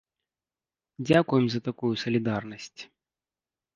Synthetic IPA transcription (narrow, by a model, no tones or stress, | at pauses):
d͡zʲakujɛmzɐt̪akujusɐlʲid̪arnɐsʲt͡sʲ